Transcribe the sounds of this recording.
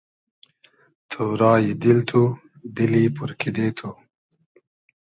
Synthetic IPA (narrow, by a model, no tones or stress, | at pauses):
t̪ʰuɾɑːjid̪ilt̪ʰu | d̪ilipuɾkʰid̪eːt̪ʰu